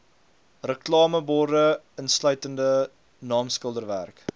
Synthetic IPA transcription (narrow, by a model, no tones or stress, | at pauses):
rəklɑːməbɔrdə | ənslœɥtəndə | nɑːmskəlˠdərværk